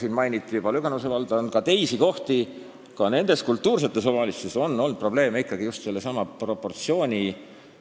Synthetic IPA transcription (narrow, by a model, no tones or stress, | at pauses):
siːnmɑjnit̪ːˑijub̥ɑlyɡ̥enuse̞vɑld̪̥ɑonkɑt̪e̞jsiko̞ht̪i | kɑne̞nd̪̥e̞skult̪ːuːrs̬e̞t̪ːˑe̞sovɑlist̪eso̞nːo̞lnd̪̥̚pro̞b̥le̞ːmeikːˑɑɡijust̪se̞lːesɑmɑpro̞pːˑo̞rt̪sio̞ːnʲi